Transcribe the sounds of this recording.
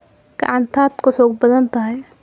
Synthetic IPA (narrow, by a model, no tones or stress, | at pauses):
ɡ̥ɑ̰ʕɑnt̪ʰaːd̪kʰʊħɔːɡ̚bɐðɐnt̪ʰɐɦɪj